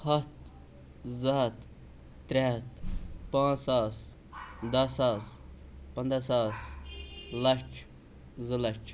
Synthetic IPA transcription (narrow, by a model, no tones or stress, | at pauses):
hɐt̪ | zɐɦɐt̪ː | ɾet̪pãːaːs | d̪ɐsaːspɐnd̪ɾasaːs | lɐt͡ʃʰ | zəlɐt͡ʃ